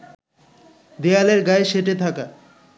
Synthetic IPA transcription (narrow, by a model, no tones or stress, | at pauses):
d̪ealeɾɡaeʃeʈet̪ʰaka